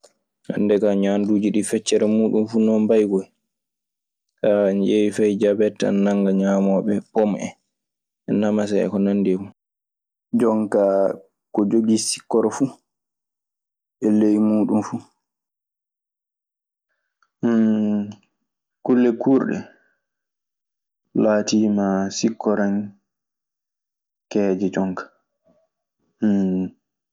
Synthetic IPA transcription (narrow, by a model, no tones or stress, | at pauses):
na̰ndɛkaɲanduːd͡ʒiɗifɛt͡ʃːɛɾɛmuːɗumfunɔmbajɡɔj | kanjewifɛjd͡ʒabɛta̰nnaŋɡaɲaːmɔɓɛpɔmʔɛ̰ | ɛnamasɛɛ̰kɔnanːdimu | d͡ʒɔŋka | kɔd͡ʒoɡisi̥kːɔɾɔfu | ɛlejmuːɗumfu | kulːɛkʰuːɾɗɛ̰ | laːtiːmasikːɔɾan | kɛːd͡ʒɛd͡ʒɔŋkḁ